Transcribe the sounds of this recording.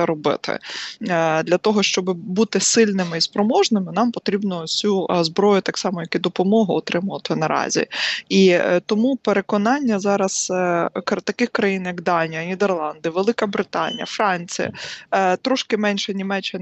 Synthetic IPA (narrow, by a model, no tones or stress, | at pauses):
ɛɾɔbɪ̰t̪ɪ̰ | d̪lʲɐt̪ɔɦɔʃt͡ʃɔbɪbut̪ɪsɪlʲnɪmɪispɾɔmɔʒnɪmɪnɑmpɔt̪ɾʲibnɔsʲuzbɾɔjʊt̪ɑksɑmɔjɐkid̪ɔpɔmɔɦʊːt̪ɾɪmʊʋɐt̪ɪnɐɾɑ̰zʲḭit̪ɔmupeɾekɔnɑnʲːɐzɑɾɐz̥kt̪ɐkɪxkɾɐjinjɐkd̪ɑnʲijɐnʲid̪erlˠɑnd̪ɪʋelˠɪkɐbɾɪt̪ɑnʲḭjɐ̰fɾɑnʲt͡sʲijɐ̰t̪ɾɔʃkɪmɛnʲʃɛnʲimɛt͡ʃːɪn